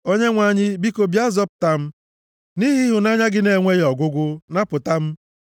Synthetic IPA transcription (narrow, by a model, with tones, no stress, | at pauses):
o˦ɲe˦ŋʷa˨˦˨ɲɪ˦bi˦ko˨bja˦zɔ˦p̚ʊ˨ta˦m̩˦ | ni˦ɦi˦ɦʊ˨na˦ɲa˦ɡɪ˦ne˨ŋʷe˦jɔ˨ɡʷʊ˦ɡʷʊ˦na˦pʊ˨ta˦m̩˦